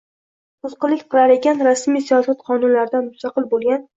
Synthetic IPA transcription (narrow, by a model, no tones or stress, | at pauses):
ʊzqɨlɪkʲqʰɨlˠaɾekʲanɾasmijsijɒsat̪qʰɒnʊnlaɾɪd̪anmʊst̪ɑqɨlˠbolˠɡʲan